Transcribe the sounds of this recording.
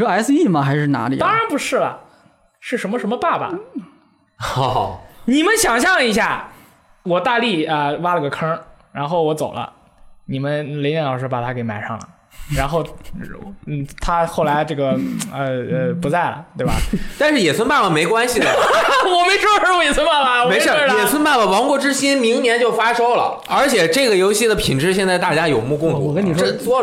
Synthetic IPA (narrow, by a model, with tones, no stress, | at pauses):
a˧˥ɪsɹ̩˧i˥˩mɐ˩xa˧˥ɪʂɻ̩˥˩na̰˧˥lḭ˨˩t̪ɑ˥ŋɻa˧˥npu˧˥ʂɻ̩˥˩bɐ̰˩ | ʂɻ̩˥˩ʂə˧˥nmə˧ʂə˧˥nmə˧pa˥˩bɐ̰˩ | xni˨˩mə˦nɕjɑ˨˩ŋɕ̬jɑ˥˩ŋi˧˥ɕ̬ja̰˥˩ | wɔ˨˩t̪a˥˧li˥˩ə˧wa˥lə˧ɡə˩kʰə˥ɻa˧˥nxo˥˩ʊwɔ˧˥t͡so˨˩ʊlʔə̰˦ | ni˨˩mə˦nle˧˥njɛ˥˩nlɑ˨˩ʊʂɻ̩˥pa˨˩t̪ʰa˥ke˧˥ɪma˨˩ɪʂɑ˥˩ŋlə̰˩ | ɻa˧˥nxo˥˩ʊ˥˩ | t̪ʰa˥xo˥˩ʊla˧˥ɪʈ͡ʂɤ˥˩ɡə˩ə˧pu˧˥t͡sa˥˩ɪlə̰˩t̪we˥˩ɪ˩bɐ̰˩t̪a˥˧nʂɻ̩˥˩jɛ˨˩swə˥npa˥˩lə˨˩me˧˥ɪkwa˥nɕi˨˩əwɔ˨˩me˥ɪʂwɔ˥wɔ˥jɛ˨˩swə˥npa˥˩bɐ˩wɔ˧me˧˥˩jɛ˨˩swə˥npa˥˩lə˨˩wɑ˧˥ŋkwɔ˥˩ʈ͡ʂɻ̩˥ɕi˥nmi˧˥ŋnjɛ˧˥nt͡ɕjo˥˩ʊfa˥ʂo˥ʊlə̰˨ | ə˞˧˥t͡ɕʰjɛ˨˩ʈ͡ʂɤ˥˩ɡə˩jo˧˥ʊɕi˥˩d̪ə˩pʰi˨˩ŋʈ͡ʂɻ̩˥˧ɕjɛ˥˧nt͡sa˥˧ɪt̪a˥˩t͡ɕja˥jo˨˩ʊmu˥˧kʊ˥˧ŋ˧wɔ˨kə˥nn˨˩˥t͡swɔ˥